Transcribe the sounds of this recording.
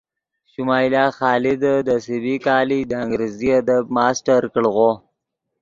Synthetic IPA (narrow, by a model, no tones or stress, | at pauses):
ʃʊmɑːjlɑːxɑːlid̪əd̪əsɪbikɑːlid̪əaŋɡɾeziad̪ab̚mɑːsʈaɾkəɭɣo